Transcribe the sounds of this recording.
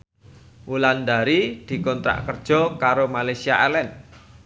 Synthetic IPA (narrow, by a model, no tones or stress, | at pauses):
wuland̪aɾid̪̥i̤kɔnt̪ɾa̰ʔkərd̥ʒ̥ɔ̤kaɾomalasiaʔɛlɛn